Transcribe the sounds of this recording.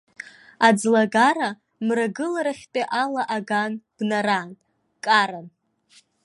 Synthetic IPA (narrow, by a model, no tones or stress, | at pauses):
ad͡zlaɡaɾa | mraɡɨlaɾaχʲtʼeʔalaʔaɡanb̥naɾan | kʼaɾan